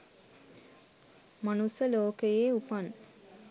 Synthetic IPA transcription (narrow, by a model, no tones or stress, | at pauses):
manusəloːkəjeːupan